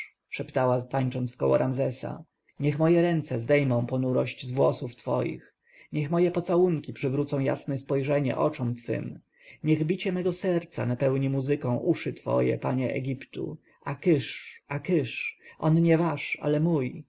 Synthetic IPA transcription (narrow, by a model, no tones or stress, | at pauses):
ʂɛpt̪awat̪aɲt͡ʂɔnt̪fkɔwɔ̰ɾʔamzɛsa̰ | ɲɛxmɔjɛɾɛnt̪sɛzd̪ɛjmɔ̃w̃pɔnuɾɔɕt͡ɕzvwɔsuft̪fɔ̰jḭx | ɲɛxmɔjɛpɔt̪sawuŋkʲipʂɘvɾut̪sɔ̃w̃ja̰snɛspɔjʐɛɲɛ̰ʔɔt͡ʂɔmt̪fɘ̰m | ɲɛɣbʲit͡ɕɛmɛɡɔsɛɾt̪sa̰napɛwɲimuzɘkɔ̃w̃ʔuʂɘt̪fɔ̰jɛ̰paɲɛʔɛ̰ɡʲipt̪ṵ | ʔakɘʂakɘʂʔɔnɲɛvaʂa̰lɛmuj